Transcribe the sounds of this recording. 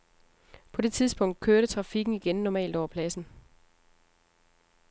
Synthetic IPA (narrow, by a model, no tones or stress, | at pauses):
pʰɒ̽de̝t͡sʰið̞ˠsb̥ɔ̽ŋ̰d̥̚kʰøɐɾət͡sʰʁɑ̈fiɡ̥n̩iɡ̥ennɒmɛ̰ːld̥ɒ̰ɐpʰlæsn̩